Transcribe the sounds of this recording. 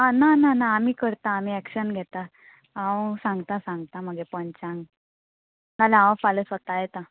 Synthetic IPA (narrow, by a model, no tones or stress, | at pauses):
anananaːmiːkəɾt̪aːm̤iːɛkɕənɡʱɛt̪a | awsãŋɡt̪asãŋɡt̪aməɡepənt͡ɕãŋɡ | nalawfaləsʋət̪ajɛt̪a